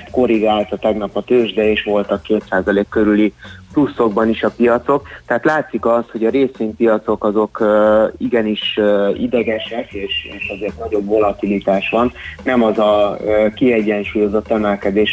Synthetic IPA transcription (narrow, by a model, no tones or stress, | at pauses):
t̪ko̞ɾiɡaːlt̪ɒt̪ɛɡnɒpɒt̪øːʒd̪ɛeːʃʋo̞lt̪ɒkːeːt̪saːzɒleːkːøɾyliplusːo̞ɡ̚bɒniʃɒpijɒt̪so̞k̚t̪ɛɦat̪laːt̪sikɒsho̞ɟɒɾeːsimpijɒt̪so̞kɒzo̞kːiɡɛniʃøid̪ɛɡɛʃɛkeːʃḛːʃɒzeːrt̪nɒɟo̞bvo̞lɒt̪ilit̪aːʃʋɒnːɛmɒzɒkiɛɟːɛnʃuːjo̞zo̞t̪ːɛmɛlkɛd̪eːʃ